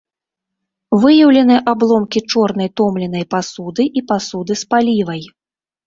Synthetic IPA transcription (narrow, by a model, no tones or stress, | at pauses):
vɨjɐwlʲɛn̪ɨjɐʔablˠɔmkʲit͡ʂɔrn̪ɐjt̪ɔmlʲɛnɐjpasud̪ɨʔipasud̪ɨspalʲivɐj